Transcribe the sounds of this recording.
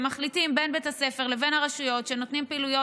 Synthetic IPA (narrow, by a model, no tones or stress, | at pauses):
maχlitimbe̞nbet̪ase̞feʁle̞ve̞nhaʁeʃujo̞tʃe̞no̞t̪nimpiiːlujo